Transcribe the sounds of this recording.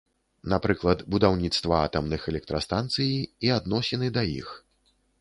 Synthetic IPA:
napɾɨklˠɐt̪bud̪awnʲit̪st̪vɐa̰t̪ɐmnɨxɛlʲɛk̚t̪ɾɐst̪ant̪sɨjiiad̪nɔsʲɛnɨd̪ɐjḭx

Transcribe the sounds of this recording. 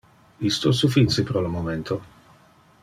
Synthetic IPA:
ist̪osufinsipɾɔlomoment̪ʰo

